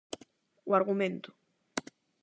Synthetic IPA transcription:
uaɾɣumẽnt̪ʊ̥

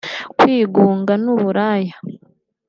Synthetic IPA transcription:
kwiːɡuːŋɡanuβuɾaja

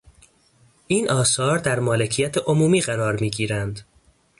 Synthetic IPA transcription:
ʔiːnʔɒːsɒːɾd̪æɾmɒːle̞cʰijæt̪ʰeʔomuːmiːɢæɾɒːɾmiːɟiːɾænd̪

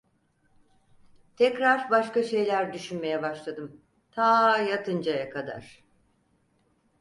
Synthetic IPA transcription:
t̪ʰɛcɾaɾbaʃkaʃe̞jlʲæɾd̪yʃynme̞jɛbaʃlˠad̪ɯm | t̪ʰaːjat̪ʰɯnd͡ʒajakʰad̪a̰ɾ̥

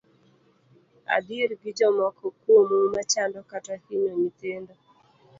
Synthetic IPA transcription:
a̰diɾɡɪd͡ʒɔmɔkʰɔkwomumat͡ʃandɔkatahinoɲit̪endo

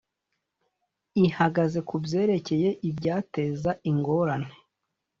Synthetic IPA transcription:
ihaɡaze̞kubɟe̞ːɾe̞ce̞je̞ʔibɟaːte̞ːzaiŋɡo̞ɾane̥

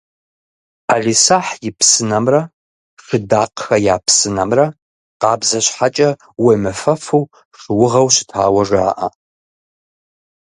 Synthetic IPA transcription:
aɮisaħjɪpʰsɨnamrɐ | ʂɨdaːqxɐjaːpʰsɨnamrɐ | qɑːbzɐɕʷħat͡ʃʼɐ | wemɨfɐfuw | ʂɨwʊʁɐwɕɪ̥tʰa̰ːwɐʐa̰ːʔɐ̰

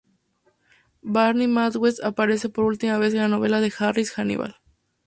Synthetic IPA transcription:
baɾnimat̪ɣwesapaɾe̞s̬e̞po̞ɾult̪imaβ̞e̞s̬enlano̞βe̞laðe̞xarisxanḭβa̰l

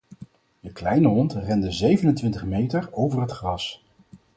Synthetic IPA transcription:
dəklɛjnəɦɔntrɛndəzejvənəntʋɪntəχmejtəɹowvərɦətχrɑs

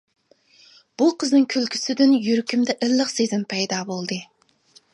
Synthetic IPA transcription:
b̥uqʰəznɨŋkʲʰylkʲʰy̥sɪd̪ynjyɾkʲymd̪ɛʔɪlːəχsezɪmpʰɛjd̪ɑbolˠd̪ɨ

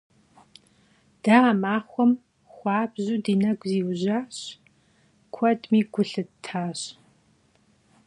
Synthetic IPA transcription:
d̥amaːχʷɔm | xʷɑːbʑudiːnɐɡʷziːwʑaːɕ | kʷʰɔdmiːɡʷʊɬɨtʰaːɕ

